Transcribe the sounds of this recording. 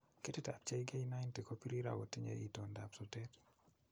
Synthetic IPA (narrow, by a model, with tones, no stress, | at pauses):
ke˦ti˦ta̰˨p̚t͡ʃe˦iɡe˦jna˦jnti˨ko˦pi˦ɾi˦ɾa̰˨wo˨ti˦ɲḛ˨ʔi˨to˨nda˨psɔ˨te˦t